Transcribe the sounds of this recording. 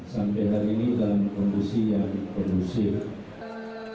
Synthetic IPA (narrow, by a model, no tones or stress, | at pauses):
sampɛjɦaɾiːnidalamkɔndisijaŋdipɔdusir